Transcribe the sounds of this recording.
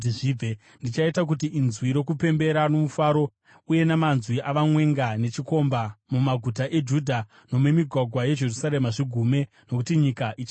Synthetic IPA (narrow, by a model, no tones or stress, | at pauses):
iʐie | ndit͡ʃaitak̬utiinzwiɾo̞kupe̞mbe̞ɾano̞mufaːɾo̞ | uje̞namanzwiʔaʋamwe̞ŋɡane̞t͡ʃiko̞mbamumaɡʱut̬aʔe̞d͡ʒudʱa | no̞mwemiɡʱwaɡʱwaje̞d͡ʒe̞rusaɾe̞maʐiɡʱume̞ | no̞kutiɲikaʔit͡ʃa